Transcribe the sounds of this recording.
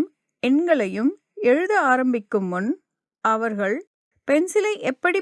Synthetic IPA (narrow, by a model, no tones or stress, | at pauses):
m | ɛnɡɐɭɐjɯm | ɛɻɯðɐaːɾɐmbɪkːɯmːʊn | ɐʋɐɾɣɐɭ | pɛnsɪlɐɪʔɛpːɐɽi